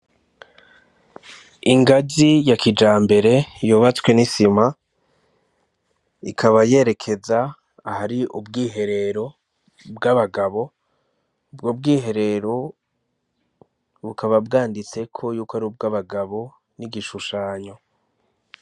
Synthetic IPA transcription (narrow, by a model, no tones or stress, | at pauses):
iŋɡazijakʰid͡ʒaːmbe̞ɾe̞joβat͡swe̞nisima | ikʰaβaje̞ɾe̞kʰe̞zaː | haɾiʔubɡiːɦe̞ɾe̞ɾo̞ | bɡaβaɡaβo̞ | ubɡoːb̚ɡiːɦe̞ɾe̞ɾo̞ | βukaβabɡaːndit͡se̞kʰo̞juːkoaɾiub̚ɡaβaɡaβo̞ | niɡiʃuʃaːɲo̞